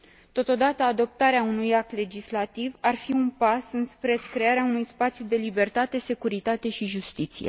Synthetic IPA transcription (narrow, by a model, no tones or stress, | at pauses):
t̪o̞t̪o̞d̪at̪əad̪o̞p̚t̪aɾeaunujak̚t̪le̞d͡ʒislat̪ivarfiunpasɨnspɾe̞kɾe̞aɾeaunujspat̪sjud̪e̞libe̞rt̪at̪e̞se̞kuɾit̪at̪e̞ʃiʒust̪it̪sḭje̞̰